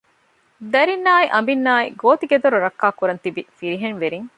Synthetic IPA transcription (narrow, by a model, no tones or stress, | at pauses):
d̪ɐɾinːaːiʔɐmbinːaːḭɡoːt̪iɡed̪oɾuɾɐkːaːkuɾɐnt̪ibifiɾiɦeŋʋeɾiŋ